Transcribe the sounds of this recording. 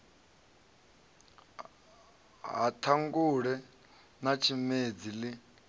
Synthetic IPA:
ɦatʰaŋɡuɺɛ | nat͡ʃʰimed͡zili

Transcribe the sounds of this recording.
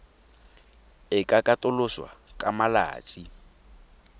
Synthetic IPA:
ɪkʼakʼatʼʊlʊswa̰kʼamala̰ːt͡sʼi

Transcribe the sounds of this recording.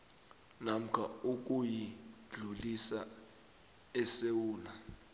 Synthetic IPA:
nam̩kʰa̰uk̬ʼujid͡ɮʱulisa | ɛsewuːna

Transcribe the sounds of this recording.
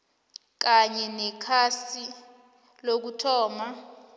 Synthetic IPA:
k̬aɲɛnɛkʰasi | lok̬utʰɔːma

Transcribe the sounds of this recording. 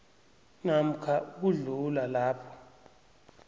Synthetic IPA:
nam̩kʰauk̬uɮulalaːpʰɔ̥

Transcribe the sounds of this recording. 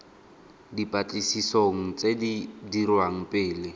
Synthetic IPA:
dipʼat͡ɬʼisisoŋ̩t͡sʼedidirwaŋ̩pʼɪːlɪ

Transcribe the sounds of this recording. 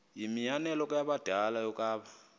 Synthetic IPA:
jimijanɛlɔk̬ʼujaɓad̥ʱalajɔkʼaːβa

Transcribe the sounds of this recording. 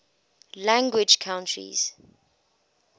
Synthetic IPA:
lãŋɡwɪd͡ʒkʰãʊ̃ntʰɹḭz̥

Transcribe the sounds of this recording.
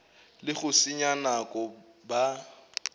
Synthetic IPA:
lɪɣʊsiɲanakʼɔ | ba

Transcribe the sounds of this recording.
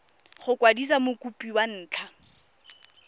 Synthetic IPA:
χʊkʼwadis̬amʊkʼupʼiwan̩ːt͡ɬʰa

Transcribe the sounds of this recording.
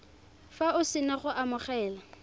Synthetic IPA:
faʊsɪnaχʊʔamʊχɛːla

